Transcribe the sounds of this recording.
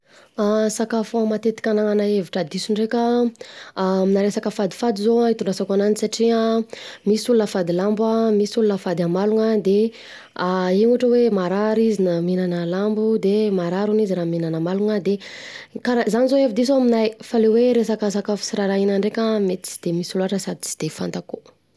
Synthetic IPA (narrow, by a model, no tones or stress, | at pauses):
asakafuamat̪et̪i̥kʲanaŋanaeviʈ͡ʂəd̪isuɳɖ͡ʐekʲə | minaɾesakəfad̪ifad̪izoait̪uɳɖ͡ʐasakananisaʈ͡ʂiamisulunəfad̪ilambamisulunəfad̪amaluŋəd̪e | ainuʈ͡ʂəwemaɾaɾizinaminanəlambud̪emaɾaɾuniziɾaminanəmaluŋəd̪ekaɾazanizoevid̪is̬ominajfaleweɾesakasakəfi̥siɾaɾainaɳɖ͡ʐekʲəmet̪i̥t͡si̥d̪̥emisuluaʈ͡ʂəsad̪it͡si̥d̪̥efant̪aku